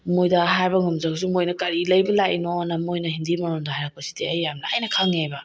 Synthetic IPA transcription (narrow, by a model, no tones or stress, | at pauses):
mojdɐɦajbɐŋɐmd͡ʒaws̬imojnɐkɐɾilɐjbɐlaʔinonɐmojnɐhindimɐɾondɐhajɾak̚pɐsi̥diɐjːamnɐɐ̰jnɐkʰaŋejbɐ